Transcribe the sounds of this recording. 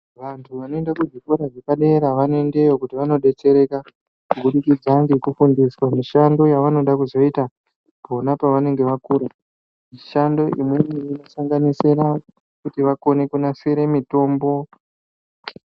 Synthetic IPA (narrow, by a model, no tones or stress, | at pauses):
ʋantʰuʋano̞endakud͡ʒikoɾaʐekaɗe̞ɾaʋane̞nde̞jo̞kutiʋano̞ɗe̞t͡se̞ɾeka | kuɡuɗukid͡zaŋɡekufundiswamiʃando̞jaʋano̞ɗakuzo̞ita | po̞napaʋane̞ŋɡe̞ʋakuɾa | miʃando̞ḭmwemiino̞saŋɡaniseɾa | kutiʋako̞ne̞kunaseɾemito̞ːmbo̞